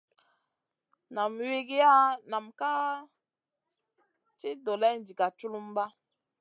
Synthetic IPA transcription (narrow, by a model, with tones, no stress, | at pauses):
na˨mwi˦ɡi˦ja˦na˨mka˦ | t͡ʃi˦do˨lɛ˦n˦d͡ʒi˨ka˨t͡ʃu˦lu˦m˦ba˦